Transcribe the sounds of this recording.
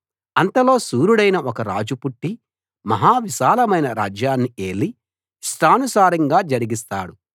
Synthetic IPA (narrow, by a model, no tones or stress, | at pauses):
ɐnt̪ɐlo̞ːsuːɾuɽɐjnɐʔɔkɐɾa̰ːd͡ʒupuʈːi | mɐɦaːʋiʃaːlɐmɐjnɐɾaːd͡ʒjaːnːieːli | sʈʰaːnusaːɾɐŋɡaːd͡ʒɐɾiɡist̪a̰ːɽu